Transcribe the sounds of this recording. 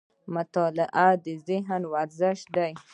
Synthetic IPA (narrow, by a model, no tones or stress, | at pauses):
mʊt̪ɑlɪʔad̪əzɪɦnwaɾzɪʃd̪aj